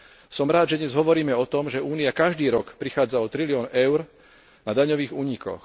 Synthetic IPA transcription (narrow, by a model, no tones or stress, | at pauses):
sɔmɾaːd̪ʒɛd̪ɲɛzɦɔʋɔɾiːmɛɔt̪ɔmʒɛuːniakaʒd̪iːɾɔkpɾixaːd͡zaɔt̪ɾilɪɔːnɛʊɾ | nad̪aɲɔʋiːɣuːɲikɔ̰x